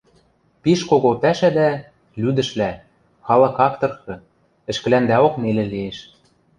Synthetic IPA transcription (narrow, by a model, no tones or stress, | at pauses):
piʃkoɣop̪æʃæd̪æ | lyd̪ɘ̆ʃlæ | xɑlɤ̆kɑkt̪ɤ̆rxɤ̆ | ɘ̆ʃkɘ̆lænd̪æokmelĕlieʃ